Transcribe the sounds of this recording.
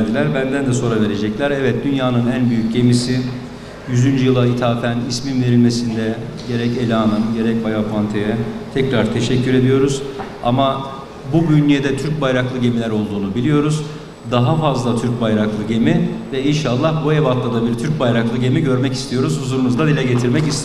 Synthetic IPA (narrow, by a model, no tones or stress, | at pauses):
d͡ʒilʲæɾbænd̪ænd̪ɛso̞ɾave̞ɾe̞d͡ʒɛclʲæɾɛvɛt̪̚d̪ynjaːnɯnænbyjyc̚ɟe̞misi | jyzynd͡ʒjɯlˠait̪ʰaːfænisminve̞ɾilʲme̞sind̪ɛ | ɟe̞ɾɛce̞lʲaːnɯmɟe̞ɾɛc̚bajapʰant̪ʰejɛt̪ʰɛcɾaɾt̪ʰe̞ʃɛcʰːyɾe̞d̪ijo̞ɾuz | a̰ma | bubynjied̪ɛt̪ʰyɾc̚bajɾaklˠɯɟe̞milʲæɾo̞lˠd̪uːnubilʲijo̞ɾuz | d̪aɦafazlˠat̪ʰyɾc̚bajɾaklˠɯɟe̞mivɛinʃalˠːahbuevat̪lˠad̪abiɾt̪ʰyɾc̚bajɾaklˠɯɟe̞miɟø̞ɾmɛci̥st̪ʰijo̞ɾuz̥huzuɾunuzd̪ad̪ilʲɛɟe̞t̪ʰiɾmɛcist̪e